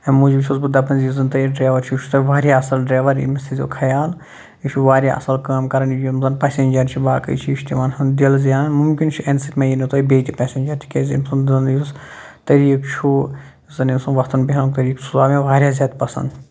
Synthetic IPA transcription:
ɐmuːd͡ʒibʲt͡ʃʰuzbɨd̪ɐpɐnzizɐnt̪ɐjiɖɾaːʋɐɾt͡ʃʰit͡ʃʰu̥t̪ɐʋaːɾʲjaɐsɐlɖɾaːʋɐɾḭmɐst̪ʰizʲo̰ːkʰɐjaːl | it͡ʃʰuʋaːɾʲja̰ʔɐ̰sɐlkaːmkɐɾɐnijimzɐnpɐːsʲeːnd͡ʒɐɾt͡ʃʰibaːkɐ̰jt͡ʃʰiːʃt̪imaːnsɐnd̪ilzjaːnnmumkʲint͡ʃʰiɐnsɨkʲmẽjinit̪ojbeːt̪ʲipɛːsʲeːnʲd͡ʒɐɾt̪ʰi̥kʲeːzʲḭmsɐnd̪zɐnjis | t̪ɐɾiːkt͡ʃʰu | zɐnimsɐnʋɐt̪ɐnbiɦɐlt̪ɐɾiːksuzaːmẽʋaːɾʲjaːzʲaːt̪ʲpɐsɐ̰nd̪

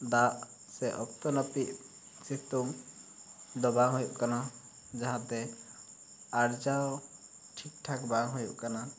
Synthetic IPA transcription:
d̪aʔ | sɛʔɔk̚t̪ɔnəpiʔ | sit̪uŋ | d̪ɔbaŋɦujuʔkana | d͡ʒaɦãt̪ɛ | aɾd͡ʒaw | ʈʰik̚ʈʰakbaŋɦujuʔkana

